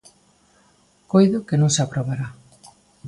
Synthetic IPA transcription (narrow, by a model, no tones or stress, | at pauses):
kojðʊkenõŋseapɾoβaɾa